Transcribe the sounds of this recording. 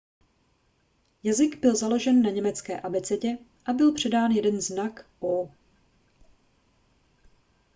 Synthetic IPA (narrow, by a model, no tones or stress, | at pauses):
jazɪɡbɪlzalo̞ʒɛnːaɲɛmɛt͡skɛ̰ːʔabɛt͡sɛcɛʔabɪlpr̥ɛdaːnjɛdɛnznakʔo